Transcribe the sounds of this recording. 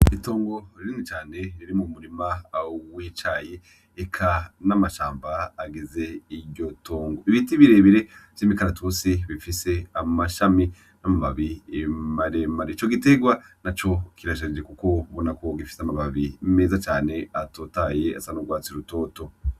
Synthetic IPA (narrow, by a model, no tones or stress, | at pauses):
ito̞ːŋɡo̞ɾiɾinit͡ʃaːne̞ɾiɾimumuɾimawit͡ʃajeː | kʰanamaʃaːmbaːɡize̞iɾɟo̞tʰoːŋɡoiβitiβiɾe̞βiɾet͡ʃimikaɾatʰusiβifise̞amaʃami | namaβaβiemaɾemaɾeit͡ʃo̞ɡite̞ɡwanat͡ʃo̞kiɾaʃ̬aɾd͡ʒekuko̞βonako̞ɡifi̥seamaβaβimeːzat͡ʃaːne̞atotaje̞asanuɡwaːt͡siɾuto̞ːto̞